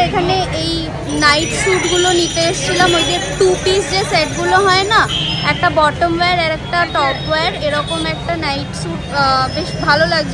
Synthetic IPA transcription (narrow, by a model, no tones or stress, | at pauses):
ekʰaneej | najʈʃuʈɡulonit̪eeʃt͡ɕʰilamod̪et̪upisd͡ʑeseʈɡuloɦɔenaɛk̚ʈabɔʈomweɾɛɾɛkʈaʈɔpweɾeɾɔkomɛk̚ʈanajʈʃuʈbeʃbʱalolaɡd͡ʑʰo